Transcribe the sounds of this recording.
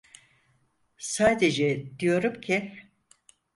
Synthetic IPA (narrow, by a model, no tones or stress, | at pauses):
saːd̪ed͡ʒɛd̪ijo̞ɾumcʰi